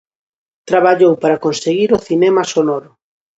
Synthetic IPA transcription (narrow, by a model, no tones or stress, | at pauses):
t̪ɾaβ̞aʎowpaɾakonseɣiɾʊθinɛmasonɔɾʊ